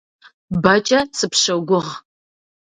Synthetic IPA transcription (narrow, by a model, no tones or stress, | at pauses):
bɐt͡ʃʼɐsɨpʃɐwɡʷʊʁ